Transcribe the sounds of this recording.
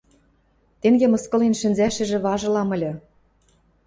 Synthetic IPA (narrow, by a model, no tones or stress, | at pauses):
t̪eŋɡemɤ̆skɤ̆lenʃɘ̆nzæʃɘ̆ʒĕβɑʒɤ̆lɑmɤ̆lʲɤ̆